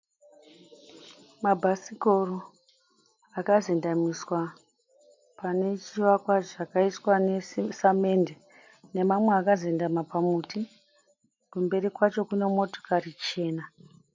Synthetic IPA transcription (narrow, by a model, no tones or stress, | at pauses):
mabʱasikoro | akazendamiswa | pane̞t͡ʃiʋakwaʐakaitwane̞same̞nde | ne̞mamweakazendamapamuti | kumbe̞rikwat͡ʃo̞kune̞mo̞to̥karit͡ʃe̞ːna